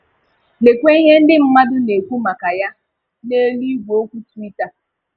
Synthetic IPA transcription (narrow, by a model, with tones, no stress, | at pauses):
ne˨kʷe˦i˦ɦe˦n̩˦dɪ˦m̩˦ma˦dʊ˦ne˨kʷu˦ma˨ka˨ja˦ | ne˦li˦ɡʷo˦kʷu˦ti˦ta˨